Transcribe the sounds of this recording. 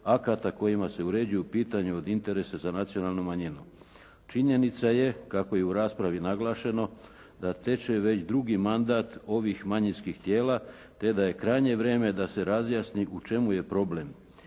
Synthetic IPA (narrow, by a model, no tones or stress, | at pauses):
akat̪ako̞jimase̞uɾe̞d͡ʒujupiːt̪aɲuod̪int̪e̞ɾe̞sazanat̪sio̞naːlnumaɲinu | t͡ʃiɲe̞nit̪saje̞kako̞jeuɾaːspɾaʋinaɡlˠaːʃe̞no̞ | d̪at̪e̞t͡ʃe̞ʋe̞t͡ɕd̪ɾuɡimand̪at̪o̞ʋixmaɲinskixt̪je̞ːla | t̪e̞d̪aje̞kɾajɲe̞ʋɾe̞ːme̞d̪ase̞ɾazjaːsniʔut͡ʃe̞muje̞pɾo̞ble̞m